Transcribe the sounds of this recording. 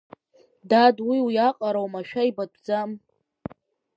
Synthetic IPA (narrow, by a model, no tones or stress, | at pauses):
dadwiwjaqʼaɾawmaʃᶣaibadʷʰʼd͡zam